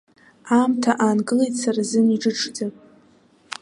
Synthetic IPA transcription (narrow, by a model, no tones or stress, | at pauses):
amtʰaʔaːnɡɨlejtʼt͡sʰarazɨniʈ͡ʂʼɨʈ͡ʂʰʼd͡za